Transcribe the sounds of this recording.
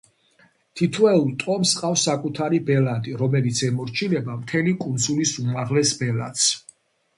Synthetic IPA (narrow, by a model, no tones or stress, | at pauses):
t̪ʰit̪ʰwɛult̪ʼɔmsqʼafsːakʼut̪ʰaɾibɛlad̪iɾɔmɛlit̪sʰɛmɔɾt͡ʃʰinɛbamt̪ʰɛlikʼund̪zulisumaʁlɛsbɛla̰t̪s